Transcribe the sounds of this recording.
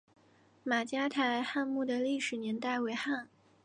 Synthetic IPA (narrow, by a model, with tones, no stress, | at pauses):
ma˨˩t͡ɕja˥t̪ʰa˧˥ɪxa˥˧nmu˥˩d̪ə˩li˥˩ʂɻ̩˨˩njɛ˧˥nt̪a˥˩ɪwe˧˥ɪxa˥˩n